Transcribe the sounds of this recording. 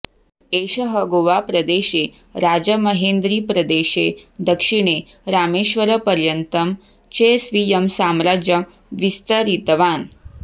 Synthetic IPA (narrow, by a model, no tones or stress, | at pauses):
eɕəɦəɡoʋapɾəd̪eɕe | ɾad͡ʑəməɦend̪ɾiːpɾəd̪eɕed̪əkʂiɽ̃e | ɾameɕʋəɾəpəɾjənt̪əm | t͡ɕesʋijəmsamɾad͡ʑjə | ʋist̪əɾit̪ʋaːn